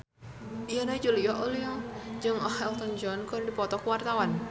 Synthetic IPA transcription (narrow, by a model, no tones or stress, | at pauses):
ʔijənad͡ʒulijɔʔolijɔd͡ʒɨŋɔhɛlt̪ɔnd͡ʒɔnkɔrdipɔt̪ɔkwart̪awan